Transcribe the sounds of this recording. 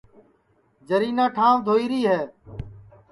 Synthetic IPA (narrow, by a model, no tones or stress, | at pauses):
d͡ʒəɾiːnãːʈʰãːʋd̪ʱoːiːɾiːɦɛː